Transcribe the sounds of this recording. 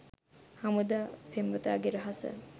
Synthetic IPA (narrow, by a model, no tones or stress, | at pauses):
hamud̪apʰembət̪a̰ɡeɾəɦasə̰